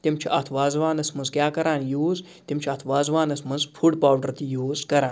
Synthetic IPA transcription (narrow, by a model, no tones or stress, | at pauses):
t̪imt͡ʃʰiʔɐt̪ʰʋaːzʋaːnɐsmɐnzkʲjaːkɐɾaːnjuːz | t̪imt͡ʃʰiɐt̪ʰʋaːzʋaːnɐsmɐnzpʰuʈpaːwɖɐɾt̪ijuːzkɐɾãːn